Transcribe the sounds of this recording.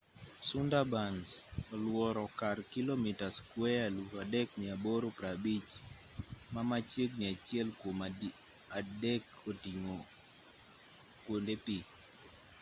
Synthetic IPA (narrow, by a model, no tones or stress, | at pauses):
sundabansɔlwɔɾɔkarkilomitaskwɛaluɾadɛknɪaboɾopɾabit͡ʃ | mamat͡ʃeknɪat͡ʃjɛlkwoma | adɛkotiŋo | kwondepi